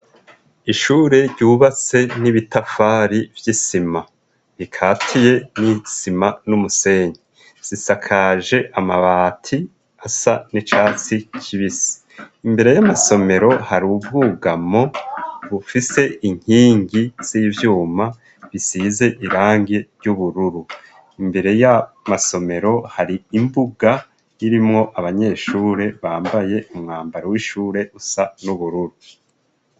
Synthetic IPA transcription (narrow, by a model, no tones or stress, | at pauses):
iʃuːɾe̞ɾɟuːβat͡se̞niβitafaːɾivjisima | ɾikʰaːtʰije̞nisimanumuse̞ːɲi | z̥isakʰaʒe̞ʔamaβaːtʰi | asanit͡ʃaːt͡sicʰiβisi̥ | imbe̞ɾe̞jamaso̞me̞ɾo̞haɾuvɡuːɡamo̞βufise̞iŋ̥hiːŋɡiz̥iːvjuːma | βisiːze̞ʔiɾaːŋɡeɾjuβuɾuɾu | imbe̞ɾe̞jamaso̞me̞ɾo̞haɾiimbuɡa | iɾimŋo̞ʔaβaɲe̞ːʃuːɾe̞βaːmbaje̞umŋaːmbaɾowiʃuːɾe̞ʔusanuβuɾuɾu